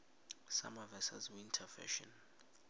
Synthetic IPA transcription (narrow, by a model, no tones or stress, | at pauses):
samavɛsa̰zwintʰafɛ̰ʃɔ̰n